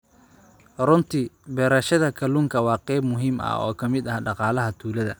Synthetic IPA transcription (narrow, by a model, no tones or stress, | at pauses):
rʊnt̪ʰibɛːɾɐʃɐðɐkʰɐluːŋkʰɐwɑːqɛjbmʊɦiːmɐ̰ɔ̰ːkʰɐmɪd̪ɐhɖɑqɑːlɐɦɐt̪ʰuːlɐðɐ